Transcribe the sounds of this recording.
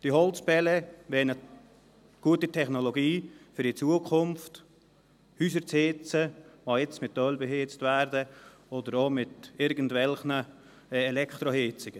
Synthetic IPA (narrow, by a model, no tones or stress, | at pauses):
d̥iɦɔlt͡sbɛlɛʋɛːnə | ɡ̥uətitʰɛχnoloɡiːfʏɾit͡suəkʰʊmft | hyːsəɾt͡shɪt͡səmoɪt͡smɪtːœlbɛɦɪt͡stvæɾdə | ɔdəɾoːmɪtɪɾɡən̩tvɛlχnə | ɛlɛkt̪ɾohɪt͡sɪɡ̥ə